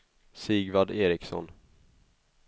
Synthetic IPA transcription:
siːɡvad̪eːɾɪksɔ̰n

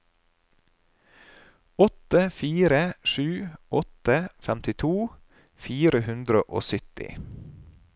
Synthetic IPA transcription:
ɔt̪əfiːɾəʃʉːʔɔt̪əfæmt̪ɪt̪ʰuː | fiːɾəhʉnd̪ɾəʔo̰ːsʏt̪ɪ̰

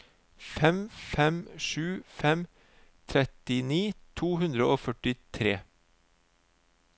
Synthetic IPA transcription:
fɛmfɛmʃʉːfɛm | t̪ʰɾɛt̪ɪniːt̪ʰuːhʉnd̪ɾəoːfœʈɪt̪ʰɾeː

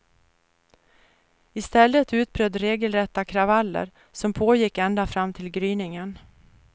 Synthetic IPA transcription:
ɪst̪ɛlːət̪ʉ̟ːt̪̚bɾœd̪ɾeːɡəlɾɛt̪ːakʰɾavalːə̰ɾ | sɔmpʰoːjɪkːɛnd̪afɾamːt̪ʰɪlɡɾyːnɪŋən

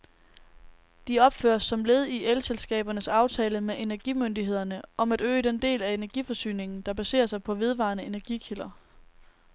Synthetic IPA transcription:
d̥iɒ̽b̥fø̰ːɐsːɒ̽mle̝ːð̞ˠiʔelselsɡ̥ɛ̰ːb̥ɐnəsɑ̈ʊt͡sʰɛːləmeʔe̝næɐɡ̥imønd̥iɦe̝ð̞̰ˠɐnəʔɒ̽mæd̥ø̰ːd̥end̥e̝̰ːlæe̝næɐɡ̥ifɒ̽sy̰ːne̝ŋn̩d̥ɑ̈b̥æse̝̰ːɐsɑ̈ɪpʰɒ̽ʋe̝ð̞ˠʋɑ̈nəe̝næɐɡ̥ikʰilɐ

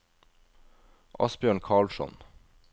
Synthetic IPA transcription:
ʔɑ̰sbjøːɳkʰɑːɭʃɔ̰n

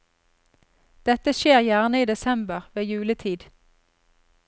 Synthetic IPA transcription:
d̪̥ɛt̪əʃeːʁjæʁnəiːd̪ɛsɛmbəʁʋeːjʉːlət̪ʰiːd̪

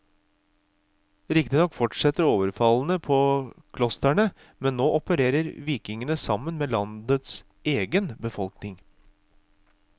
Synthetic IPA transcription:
ɾɪkt̪ɪnɔkːfɔʈʂɛt̪ːəɾoːʋəɾfɑln̩əpʰɔkʰlɔst̪æɳə | mɛnːoːʔɔpəɾeːɾəɾʋiːkɪŋənəsɑmːənmeːlɑnd̪ət̪s | eːɡənbəfɔlknɪŋ

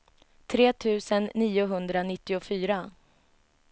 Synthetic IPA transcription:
t̪ʰɾeːt̪ʰʉ̟ːsənːiːʊɦɵnd̪ɾanɪt̪ːɪʊfyːɾa

